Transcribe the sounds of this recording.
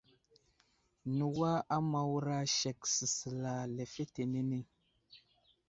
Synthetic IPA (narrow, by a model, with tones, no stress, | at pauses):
nu˨wa˦a˦ma˨wɾa˦ʃe˨k̚si˨sə˨la˨le˨fe˦te˨ne˦ne˦